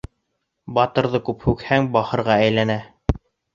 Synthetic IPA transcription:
bɑt̪ɤ̆ɾðɤkʉphʉkhæŋbɑχɤ̆ɾʁɑæjlænæ

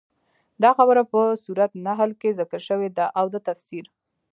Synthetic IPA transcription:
d̪ɑxabəɾapəsuɾat̪naɦalkezəkəlʃəwed̪aʔawd̪ət̪afsiɾ

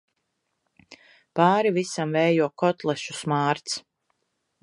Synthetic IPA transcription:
paːɾivisamvɛjjuɔkɔt̪lˠɛʃu̥smaːɾt̪s

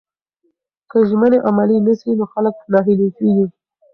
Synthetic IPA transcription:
kəʒməneʔamalinəsinoxalək̚nɑɦilekiɡi

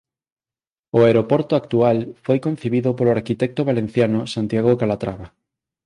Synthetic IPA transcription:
oeɾopoɾt̪oakt̪ualfojkõn̟θiβiðopoloaɾkit̪ɛk̚t̪oβalẽn̟θjanosant̪jaɣokalat̪ɾaβa

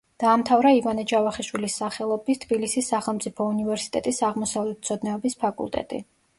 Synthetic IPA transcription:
d̪̥aːmt̪ʰavɾaivanɛd͡ʒavaχiʃwilisaχɛlˠɔbit̪ʰb̥ilisisːaχɛlˠmt̪sʼipʰɔunivɛɾsi̥t̪ʼɛt̪ʼisaʁmɔsavlɛt̪̚t̪sʰɔd̪nɛɔbispʰakʼṵlˠt̪ʼɛ̰t̪ʼḭ

